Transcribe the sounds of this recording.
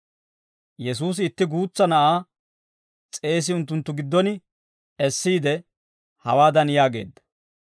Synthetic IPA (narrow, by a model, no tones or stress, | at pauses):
jɛs̬uːs̬ɪːt̪ːɪɡuːt͡sːɐnɐʔaː | t͡sʼe̞ːs̬ɪʊnt̪̬ːʊnt̪ːʊɡɪd̪ːɔnɪ | ɛsːiːd̪ɛ | hɐwaːd̪ɐnjaːɡe̞̰ːd̪ːɐ̥